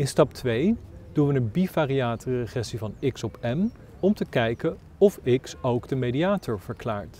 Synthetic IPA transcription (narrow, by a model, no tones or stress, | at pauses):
ɪnstɑp̚tʋejd̥unʋənənbifaːriaːtərəχɛsivɑnɪksɔpɛm | ɔmtəkɛjkə | ɔfɪksowɡdəmediaːtʰɔɹv̥əɹklaːɹt